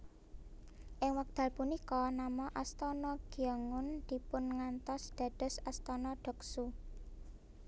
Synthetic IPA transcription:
ʔɪŋwak̚d̪̥ä̤lpunikɔnamɔʔast̪ɔnɔɡ̥iaŋʊnd̪̥i̤pʊnŋant̪ɔsd̪̥ä̤d̥ɔ̤sast̪ɔnɔɖ̥ɔ̤ksu

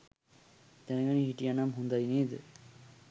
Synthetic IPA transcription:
t̪ɛnɡanĩɦiʈianamɦund̪ajnid̪

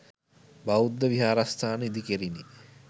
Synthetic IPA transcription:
baud̪ːəʋiɦaːɾast̪ʰaːnəid̪ikeɾini

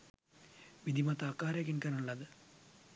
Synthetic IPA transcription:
ʋid̪ʱimɐt̪ːakːaːɾɐkinkɐnuɭːɐðɨ

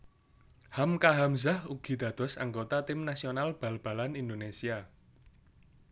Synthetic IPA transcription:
hamkaɦamzahuɡ̥i̤d̪̥ä̤d̪̥ɔ̤sa̰ŋɡot̪at̪ɪmnasionalb̥a̤lb̥a̤lanind̪onesia

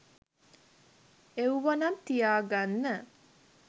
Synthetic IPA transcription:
euʋɐnɐnt̪ijaːɡanːə

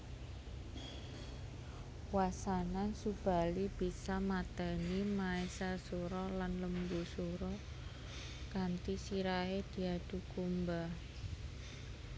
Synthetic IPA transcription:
wasanansub̥a̤lib̥isamat̪animaesasuɾɔlanləmbusuɾɔ | kant̪isiɾaed̪̥i̤ad̪̥ṳkumba

